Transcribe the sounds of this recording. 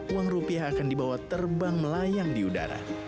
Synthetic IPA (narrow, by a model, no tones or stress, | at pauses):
uwaŋrupiaɦakandibawat̪ərbaŋməlajaŋdiuda̰ɾa̰